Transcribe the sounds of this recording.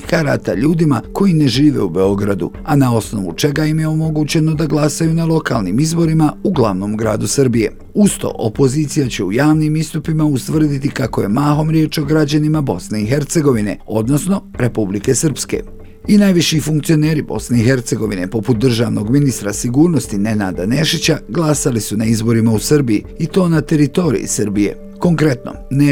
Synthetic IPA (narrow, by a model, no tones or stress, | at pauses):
kaɾa̰t̪a̰ʎuːd̪imako̞jine̞ʒiːʋe̞̰ube̞o̞ɡɾad̪ṵ | anao̞sno̞̰ʋṵt͡ʃe̞ɡaimjeo̞mo̞ɡut͡ɕe̞no̞d̪aɡlˠasajunalo̞kalˠniːmizbo̞ɾimauɡlˠaʋno̞ːmɡɾa̰ːd̪usɨrbije̞̰ | ust̪o̰ʔopo̞ziːt̪sijat͡ɕe̞ujaːʋnimist̪upimaust̪ʋrd̪it̪ikako̞je̞maːɦo̞mɾje̞ːt͡ʃo̞ɡɾad͡ʑanimabo̞sne̞ixe̞ɾt̪se̞ɡo̞ʋine̞̰o̞d̪no̞sno̞ɾʔe̞publike̞sɨr̩pskḛ | inajʋiʃifuŋkt̪sio̞ne̞ːɾibo̞̰sne̞ixe̞ɾt̪se̞ɡo̞ʋine̞po̞put̪̚d̪r̩ʒaːʋno̞ɡminist̪ɾasiɡuːɾnost̪inenaːd̪ane̞ʃit͡ɕaɡlˠasalisunaizbo̞ɾimausɨɾbijḭ | it̪o̞ːnat̪e̞ɾit̪o̞ɾḭjḭsɨɾbije̞̰ | ko̞ŋkɾe̞t̪no̞̰n